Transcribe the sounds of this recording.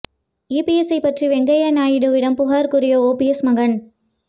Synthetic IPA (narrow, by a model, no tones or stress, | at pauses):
iːpiɛsɐɪpɐʈriʋɛŋɡɐjɐnaːjɪɽɯʋɪɽɐmpʊɣaːɾkʊɾɪjoːoːpiɛsmɐɣɐɳ